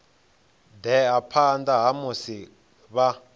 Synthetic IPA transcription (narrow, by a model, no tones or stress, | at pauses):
d̪ɛapʰandaɦamusi | βa